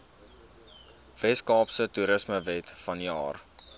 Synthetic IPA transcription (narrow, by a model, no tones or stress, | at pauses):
v̥ɛskɑːpsətuɾəsməvɛtfɐniɑ̰ːr